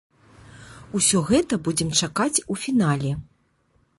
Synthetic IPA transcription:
usʲɔɣɛt̪ɐbud͡zʲɛmt͡ʂakat͡sʲufʲinalʲɛ

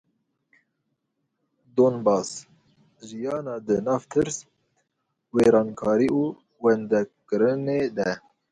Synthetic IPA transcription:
d̪oːnbɑːs | ʒijɑːnɑːd̪ɨnɑːvt̪ʰɨɾs | weːɾɑːnkʰɑːɾiːuː | wɛnd̪ɛkɨɾɨneːd̪ɛ

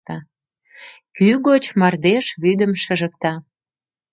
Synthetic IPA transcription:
t̪ɑ | kyɣot͡ɕmɑrd̪eʃβyd̪əmʃəʒəkt̪ɑ

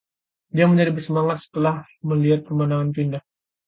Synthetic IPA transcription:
diaməɲd͡ʒaɾibərsəmaŋat̪̚sə̥t̪əlah | məliat̪̚pərmanaŋanpindah

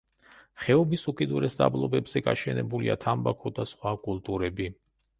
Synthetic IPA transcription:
χɛɔbisukʼid̪uɾɛsd̪a̰blˠɔbɛbz̥ɛɡaʃɛnɛbulia̰t̪ʰambakʰɔd̪asχwakʼulˠt̪ʼuɾɛbi

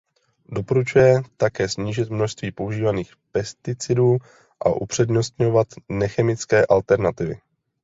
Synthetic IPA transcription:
do̞po̞ɾut͡ʃujɛt̪akɛːsɲiːʒɪt̪mno̞ʃst̪viːpo̞uʒiːvaniːxpɛst̪ɪt͡sɪduː | ʔa̰ʔupr̝̥ɛdɲo̞st̪ɲo̞vat̪nɛxɛmɪt͡skɛːʔalt̪ɛɾnat̪ɪvɪ̰

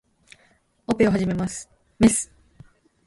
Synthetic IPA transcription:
opeo̞ɦaʑime̞masɨ̥ | mesɨ̥

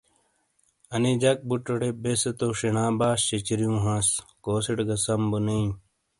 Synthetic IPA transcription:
ɐnid͡ʑɐk̚buʈoɽebesɐt̪oʂeɳãːbaːɕɕet͡ɕiɾijũːɦãskoːseʈɡɐsɐmbunei

